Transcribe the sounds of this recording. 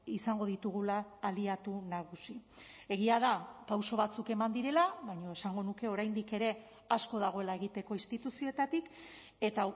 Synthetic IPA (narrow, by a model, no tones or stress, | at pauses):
isaŋɡo̞ðit̪uɣ̞ulaːliat̪unaɣ̞usi | e̞ɣiaðapawso̞βat͡suke̞mand̪iɾe̞laβajɲo̞e̞saŋɡo̞nuke̞o̞ɾajnd̪ike̞ɾe̞ | asko̞ðaɣ̞o̞e̞lae̞ɣit̪e̞ko̞inst̪it̪usio̞et̪at̪ik | e̞t̪a